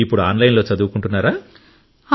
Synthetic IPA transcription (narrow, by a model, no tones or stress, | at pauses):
ipːuɽuaːnlɐɪnloːt͡ʃɐðuʋkːuɳʈːɯnːaːɾaː | ha